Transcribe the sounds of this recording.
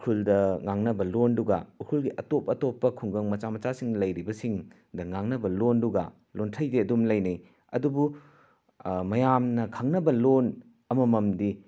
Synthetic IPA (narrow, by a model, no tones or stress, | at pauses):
kʰuldɐŋaŋnɐbɐlonduɡɐ̰ukʰulɡiʔɐtopɐtopːɐkʰuŋɡɐŋmɐt͡ʃamɐt͡ʃasiŋlɐjɾibɐsiŋ | dɐŋaŋnɐbɐlonduɡɐ̰ | lontʰɐjdeɐdumlɐjnij | ɐ̰dubu | mɐjamnɐkʰɐŋnɐbɐlon | ɐmɐmɐmdi